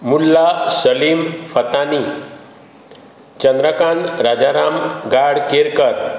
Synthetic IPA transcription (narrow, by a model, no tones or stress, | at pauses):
mulːasəlimfət̪ani | t͡ɕənd̪ɾəkanɾad͡ʑaɾamɡaɽkeɾkəɾ